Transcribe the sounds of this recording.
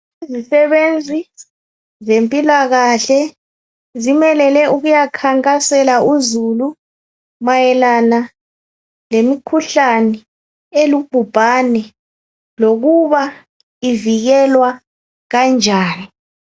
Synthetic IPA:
izisɛβend͡zʱi | zempʼilaɣaɬɛ | zimɛlɛlɛʔuɣujakʰaŋkʼasɛlaʔuzulu | majɛlana | lemikʰuɬanɛ | elub̥ʱub̥ʱanɛ | loɣuβa | iviɣɛlwa | ɣand͡ʒʱaːni

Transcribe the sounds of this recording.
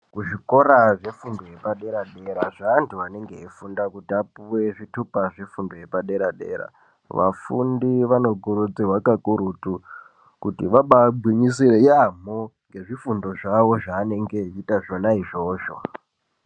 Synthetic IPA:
kuʐiko̞ɾaʐe̞fundo̞je̞paɗe̞ɾaɗe̞ɾaʐaːntʰuʋane̞ŋɡe̞ifundakutiapuwe̞ʐitupaʐe̞fundoje̞paɗe̞ɾaɗe̞̰ːɾa̰ | ʋa̰fundiʋano̞ɡuɾud͡ziwakakuɾutu | kutiʋaɓabʱwiɲisiɾeiam̤oŋɡe̞ʐifundo̞ʐaʋo̞ʐaːne̞ŋɡe̞itaʐo̞naiʐo̞ːʃo̰

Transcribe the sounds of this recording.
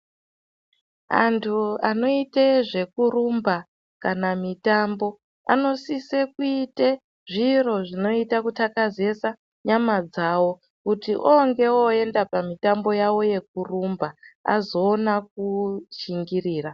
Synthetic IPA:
a̰ntʰuano̞iteʐe̞kuɾumba | kanamitambo̞ | a̰no̞sisekuite | ʐiro̞ʐino̞itakutakaze̞sa | ɲamad͡zawo̞ | kutiʔoŋɡe̞oe̞ndapamitambo̞jawo̞je̞k̚urumbaa̰zo̞ːnak̚uʃiŋɡiriːra

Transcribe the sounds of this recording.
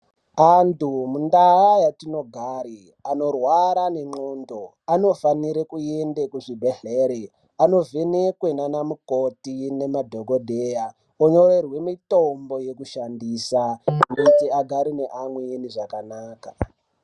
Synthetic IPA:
antumundaajatino̞ɡʱaːɾi | ano̞rwaɾane̞ŋ͡ǃondo | ano̞faniɾekuendekuʐibʱeɮeɾe | ano̞ve̞nekwe̞nanamukotine̞madʱo̞ɡʱo̞dʱeja | oɲo̞re̞rwe̞mito̞mbo̞je̞kuʃandiːsakutiaɡʱaɾine̞ʔamweniʐakanaːka

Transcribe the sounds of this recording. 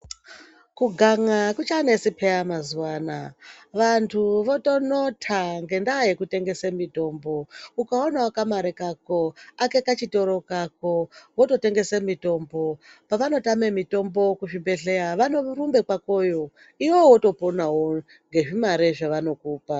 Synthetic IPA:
kuɡʱaŋakut͡ʃanesipʰeamazuwanaʋantʰuʋo̞to̞notʰaŋɡe̞ndaje̞kute̞ŋɡe̞semito̞ːmbo̞ukaonaakamaɾekako̞ake̞kat͡ʃito̞ɾo̞kako̞woto̞te̞ŋɡe̞semito̞mbo̞paʋano̞tame̞mito̞mbo̞kuʐibe̞ɮe̞aʋano̞rumbe̞kwako̞jo̞ | iwowoto̞ponawo | ŋɡe̞ʐimaɾeʐaʋano̞kuːpa

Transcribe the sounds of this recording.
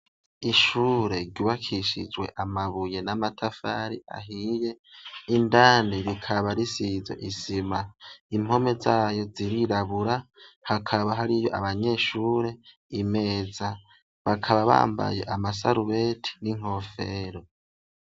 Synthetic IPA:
iʃuːɾe̞ɾɟuːβakʰiʃid͡ʒwe̞ʔamaβuje̞namatʰafaɾiʔa̰ɦije̞indaːniɾikʰaβaɾisizo̰ʔisimaim̥ho̞me̞zaːjo̞ziɾiɾaβuɾahakʰaβaɦaɾijo̞̰ʔa̰βaɲe̞ʃuːɾe̞ | ime̞ːza | βakʰaβaβa̰ːmba̰je̞̰ʔamas̬a̰ɾuβe̞tʰi̥niŋ̥ho̞feɾo̞

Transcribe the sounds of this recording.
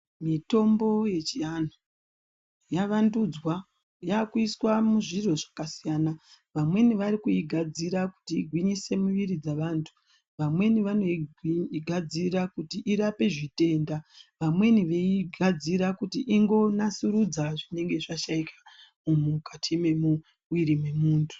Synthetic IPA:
mito̞mbo̞je̞t͡ʃianu | jaʋandud͡zwa | jakuiswamuʐiro̞ʐḁkasijaːna | ʋamwe̞niʋaɾikuiɡʱad͡ziɾaku̥tiːɡʱwiɲise̞muʋiɾid͡zaʋaːntʰu̥ | ʋamwe̞niʋano̞ | ɡʱad͡ziɾakutiʔiɾape̞ʐite̞ːndaʋamwe̞niʋeiɡʱad͡ziɾakutiʔiŋɡo̞nasuɾud͡zaʐine̞ŋɡe̞ʐaʃaikḁ | mumukatʰime̞mu | wiɾimwe̞muːntʰu̥

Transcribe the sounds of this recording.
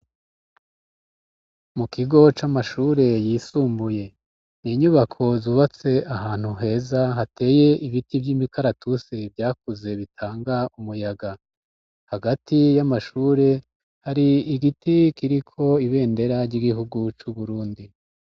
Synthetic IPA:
mukiɡo̞t͡ʃamaʃuːɾe̞jiːsuːmbuje̞ | niːɲuβakʰo̞zuːβat͡se̞ʔaɦaːn̥huɦe̞ːzaɦate̞ːje̞ʔiβitivjimikaɾatʰuse̞vjaːk̚uze̞βitʰaːŋɡaumujaɡa | haɡatijamaʃuːɾe̞ | haɾiiɡitikiɾikʰo̞iβe̞ːnde̞ɾaɾɟiɡiɦuɡut͡ʃuβuɾuːndi

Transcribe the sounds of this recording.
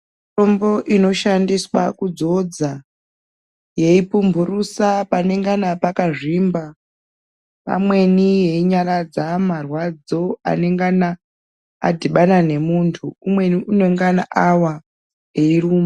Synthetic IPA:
ombo̞ʔino̞ʃandiswakud͡zo̞d͡za | je̞ipumbʱurusapane̞ŋɡanapakaʐimba | pa̰mwe̞nije̞iɲaɾad͡zamarwad͡zo̞a̰ne̞ŋɡana̰ː | dʱiɓanane̞muntʰuumwe̞niune̞ŋɡanaʔawa | ɦeiruːma

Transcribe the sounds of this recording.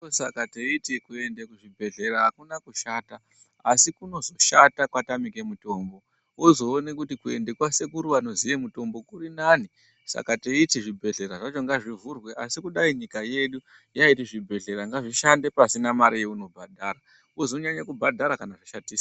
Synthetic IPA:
sakateitikue̞ndekuʐibʱe̞ɮe̞ɾaɦakunakuʃaːta | asikuno̞zo̞ʃatakwatamike̞muto̞ːmbo̞ | wozo̞ːne̞kutikue̞̰ndekwase̞kuɾuanozijemuto̞mbo̞kurinaːni | sa̰kateitiʐibʱe̞ɮe̞ɾaʐat͡ʃo̞ŋɡaʐivurwe̞ʔasikuɗaiɲikaje̞ɗu | jaitiʐibʱe̞ɮe̞ɾaŋɡaʐiʃande̞pasinamaɾijeuno̞bʱadʱaɾa | ozo̞ɲaɲakubʱadʱaɾakanaʐiʃatiːsa

